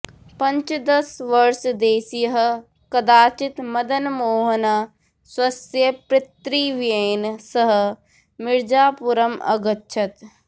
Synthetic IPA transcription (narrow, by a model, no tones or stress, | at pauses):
pɐ̃ɲt͡ʃd̪ɐsʋɐɾʃd̪eːsijɦ̆ | kɐd̪aːt͡ʃɪt̪mɐd̪ənmoːɦəna | swɐsjɐpɾɪt̪ɾiːʋjeːnsɐɦ̆ | mɪɾd͡ʒaːpuɾəmɐ̰ɡətːʃʰɐt̪